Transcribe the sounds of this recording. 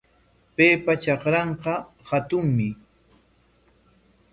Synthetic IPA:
pejpat͡ʃɑqɾɑɴqɑ | hat̪ʊŋmɪ

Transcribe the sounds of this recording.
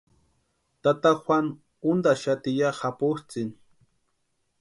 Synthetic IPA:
t̪at̪axʷwʷan | ʊnd̪aʃat̪ɪjahapʊht͡sɪn

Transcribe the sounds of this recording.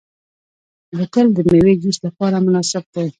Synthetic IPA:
dəkəld̪əmewed͡ʒislapɑɾamʊnɑsɪb̚d̪a

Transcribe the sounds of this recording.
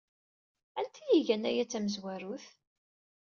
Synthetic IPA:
ænt̪ʰijiʝænæjæt͡sːæməzwæɾuθ

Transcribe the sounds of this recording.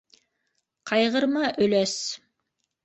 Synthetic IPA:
qʰɑjʁɤ̆ɾmɑʔɵ̆læs

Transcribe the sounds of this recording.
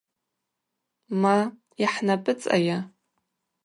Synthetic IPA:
ma | iħnapʼɨt͡sʼa̰ja

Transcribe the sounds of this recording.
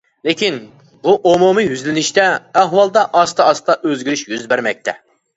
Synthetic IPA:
lɪkʲin | buʔomumijyzlɪnɪʃt̪ɛːɦwɑlˠd̪ɑʔɑst̪ʰɑɑst̪ɑʔøzɡʲyɾyʃjyzbæɾmɛk̚ʲt̪ʰɛ

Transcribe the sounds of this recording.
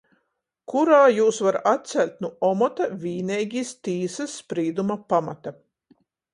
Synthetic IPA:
kuɾaːjuːsvaɾat̪̚t̪sʲælʲt̪̚ʲnuɔmɔt̪avʲiːnɛjɡʲist̪iːsɐsːpɾiːd̪umapama̰t̪a

